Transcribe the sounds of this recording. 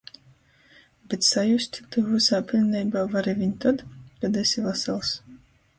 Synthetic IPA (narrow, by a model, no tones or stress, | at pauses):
bet̪sajusʲt̪ʲt̪uvusaːpʲilʲnɛjbaːvaɾivʲiɲʲt̪ad̪kad̪ɛsʲivasɛlˠs